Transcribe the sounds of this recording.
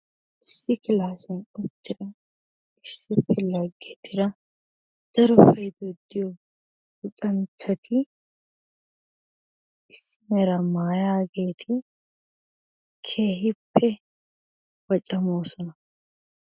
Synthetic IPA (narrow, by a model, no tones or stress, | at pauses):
ʔɪsːɪkɪlaːsɛnɔt͡ʃːɪɾɐ | ɪsːɪpːɛlɐɡːɛt̪ːɪɾɐ | d̪̥ɐɾɔfɐjd̪ɔd̪ːɪjɔ | bʊt̪ʼɐnt͡ʃːɐt̪ʰɪ | ʔɪsːɪmɛɾɐmaːjaːɡeːt̪ʰɪ | kʰeːɦɪpːɛ | wɐt͡ʃʼːɐmo̞ːsɔnɐ